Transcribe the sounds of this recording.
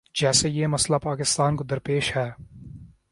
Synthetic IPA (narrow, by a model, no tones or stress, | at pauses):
d͡ʒɛːsejemɐslapaːkɪst̪aːnkod̪ɐɾpeːʃhɛː